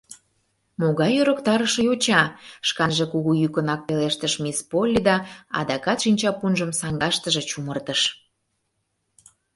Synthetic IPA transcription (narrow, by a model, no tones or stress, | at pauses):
moɣɑjøɾəkt̪ɑɾəʃɤ̆jot͡ɕɑʃkɑnʒekuɣujykənɑk̚peleʃt̪əʃmispolʲːid̪ɑɑ̰d̪ɑkɑt̪ʃinʲt͡ɕɑpunʒəmsɑŋɡɑʃt̪əʒe̽t͡ɕumərt̪əʃ